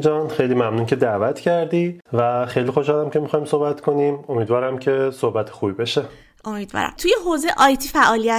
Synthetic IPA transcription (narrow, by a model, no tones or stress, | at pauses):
d͡ʒɒːnxejliːmæmnuːncʰe̞d̪ævæt̪ʰcʰæɾd̪iːvæxe̞jliːxo̞ʃhɒːlæmcʲʰe̞mixɒːjmsohbæt̪ʰkʰo̞nimo̞miːd̪vɒːɾæmcʰe̞sohbæt̪ʰe̥xuːbibeʃe | ʔo̞miːd̪vɒ̰ːɾæ̰mt̪ʰujeɦoːzeʔɒːjt̪ʰifæʔɒːlijæ